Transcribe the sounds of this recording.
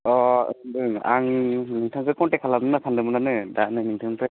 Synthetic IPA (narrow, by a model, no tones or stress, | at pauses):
ɔɯɯŋaŋnɯŋtʰaŋkɯkɔntekʰalamɯnasʰandɯmɯnanɯdanɯnɯŋtʰɯŋpɯ